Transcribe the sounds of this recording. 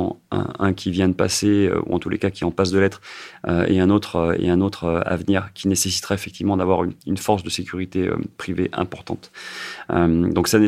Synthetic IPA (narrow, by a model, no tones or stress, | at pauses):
ɛ̃kʲʰivjɛ̃d̪əpaseø̰ṵɑ̃t̪ulʔekakʲiɛɑ̃pas̬d̪əlɛt̪χøḛɛ̃not̪χøḛɛ̃not̪χøa̰vniʁkʲʰinesesi̥t̪χaefɛkt̪ivmɑ̃d̪avwaʁynynfɔʁs̬d̪əsekʲyʁit̪eø̰pχiveʔɛ̰̃pɔʁt̪ɑ̰̃t̪ømd̪ɔ̃ksane